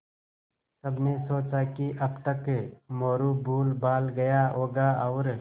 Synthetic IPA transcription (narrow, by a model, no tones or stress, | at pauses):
sɐbnesoːt͡ʃakiʔɐbt̪əkmoːɾubʱuːlbaːlɡɐjaɦoːɡaɐʊɾ